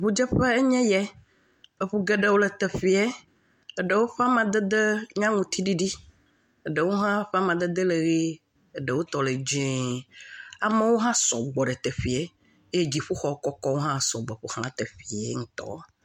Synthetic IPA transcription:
ɸu˦d͡ʒɛ˦ɸɛ˦e˦ɲɛ̃˦jɛ˦ | e˦˨ɸu˦ɡe˦ɖe˦wo˦le˨t̪e˨ɸi˨ɛ˦ | e˨ɖə˨wo˦ɸa˦mã˨d̪ə˦d̪e˦ɲã˦ŋũ˨t̪i˦ɖi˦ɖi˦ | ə˨ɖə˨wo˦ɦã˦ɸa˦mã˨d̪ə˦d̪ə˦le˨ɣi˦ | e˨ɖe˨wo˦t̪ɔ˨le˨d͡ʒĩ˦ | a˨mẽ˦wo˦ɦã˦sɔ̰˨ɡ͡bɔ˨ɖe˨t̪e˨ɸi˨ɛ˨ | e˦je˦d͡ʑi˨ɸu˦xɔ˨˦kɔ˦kɔ˦wo˦ɦã˦˨sɔ˨ɡ͡bɔ˨ɸu˨hã̰˦t̪e˨ɸi˨ḛ˨˦ŋũ˨t̪ɔ̰˦˨

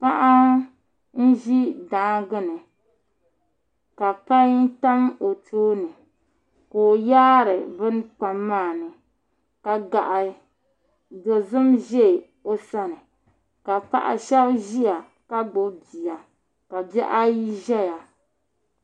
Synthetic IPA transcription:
pa˦ʔa˦ | n̩˦ʒi˦daː˨˦ɡɨ˦nɨ˨ | ka˨pa˦n˦ta˦mo˨tʰoː˦nɨ˨ | koː˨jaː˦ɾɨ˨bɨ˦n˦k͡pa˨mːaː˦˨nɨ˨ | ka˨ɡa˨ʔa˨ | do˨zɨ˦mʒe˦˨ | o˦sa˦nɨ˨ | ka˨pa̰˨ʔa̰˨ʃɛ˦bʒi˦a˨ | ka˦ɡ͡bo˨bi˨ja˨ | ka˨bɛ˦ʔa˦ji˦ʒɛ˦ja˨

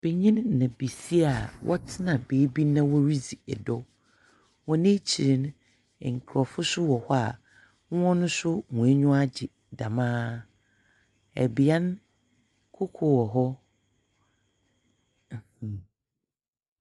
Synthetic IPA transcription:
b̥e˨ɲĩ˦nːã˨bi˨si˦a˨wʔɔ̰˦tʰɪ˦nã˨beː˨˦bi˦nã˦wɔ˦ɾi˦d͡zi˨ɛ˨dɔ˦ | wɔ̃˨nẽ˦t͡ɕʰi˨ɾɪ˨˦ñ˦˨ | ŋ̩˨kʰɾɔ˨fʊ˦sʊ˦wɔ˨hɔ˦a˨ | ŋ˦ɔ̃˦nʊ̃˦sʊ˦mũ˨æ˦ɲʊ̃˦a˦d͡ʑɪ˨ | dã˨mãː˦ | ɛ̰˨bi˨˦ã˦n | kʰo˦kʰo˨wɔ˨ɦɔ˦˨

